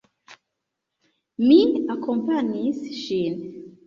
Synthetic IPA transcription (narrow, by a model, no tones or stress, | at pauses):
minakʰɔ̃mpanisʃin